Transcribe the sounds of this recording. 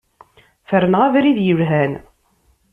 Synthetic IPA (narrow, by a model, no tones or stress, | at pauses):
fəɾənʁavɾiðjəvɦæn